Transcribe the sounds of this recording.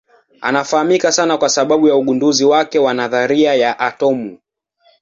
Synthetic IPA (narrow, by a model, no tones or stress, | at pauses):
a̰nafahamikasanakwasaɓaɓujauɠunduziwakɛwanaðaɾiajaʔatɔmu